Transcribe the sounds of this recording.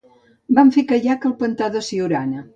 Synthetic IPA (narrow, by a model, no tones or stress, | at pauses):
baɱfekəʎakəlˠpənt̪aðəsiuɾanə